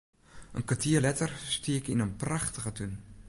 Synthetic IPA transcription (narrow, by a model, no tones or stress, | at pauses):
ʔənkʋatʰiːəlɛtərstiːəkɪnənpraχtəɣətyn